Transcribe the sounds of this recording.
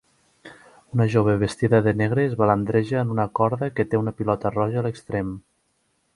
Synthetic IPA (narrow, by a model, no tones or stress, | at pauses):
unəʒoβ̞eβest̪iðəðəneɣɾezβalənd̪ɾeʒəːnunəkɔɾðəkət̪eunəpilɔt̪ərɔʒəːləkst̪ɾem